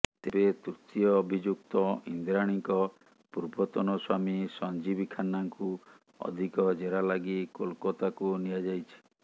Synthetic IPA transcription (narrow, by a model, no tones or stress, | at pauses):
t̪ebet̪ut̪iɔːbʱid͡ʒuk̚t̪ɔḭnd̪ɾaɽ̃iŋkɔ | puɾbɔt̪ɔnɔswamisɔnd͡ʒibikʰanaŋku | ɔ̰d̪ʱikɔd͡ʒeɾalaɡikolkɔt̪akunijad͡ʒajt͡ʃʰi̥